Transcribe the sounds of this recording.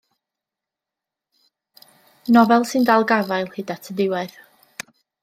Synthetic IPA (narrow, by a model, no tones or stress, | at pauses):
nɔvɛlˠsɨndalˠɡavajlˠhɪdatʰədɪwɛð̥